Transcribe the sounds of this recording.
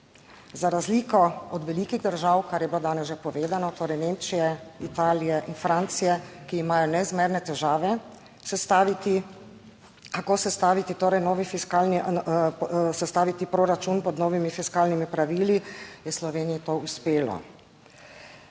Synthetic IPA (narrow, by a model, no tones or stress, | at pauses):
zaɾazliːkɔɔd̪ʋɛliːkiɣd̪əɾʒawkaɾjɛbilod̪aːnɛzʒɛpɔʋeːzanɔt̪oːɾɛjnemt͡ʃijɛit̪aːlijɛʔinfɾant̪sijɛkiːmaːjɔnɛzmeːɾnɛt̪ɛʒaːʋɛ | sɛst̪aʋit̪i | kakosɛst̪aːʋit̪it̪oːɾɛjnɔːʋifiskalni | sɛst̪aːʋit̪ipɾoɾat͡ʃunpɔd̪noːʋimifiskaːlnimipɾaʋiːlijɛslɔʋeːnijit̪oːuspeːlɔ̰